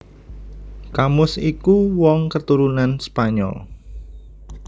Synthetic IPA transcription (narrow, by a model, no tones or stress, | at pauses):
kamʊsikuwɔŋkət̪uɾunanspaɲɔ̰l